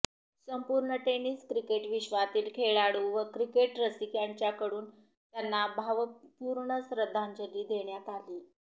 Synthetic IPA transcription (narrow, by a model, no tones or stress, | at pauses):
səmpuɾɳəʈeniːskɾikeʈʋiɕʋat̪iːlkʰeɭaɽuʋəkɾikeʈɾəsikjaɲt͡ɕjakəɽuːn | t̪janːabʱaʋəpuːɾɳəsɾəd̪ʱːãɲd͡ʑəlːiːd̪ʱeɳjat̪aliː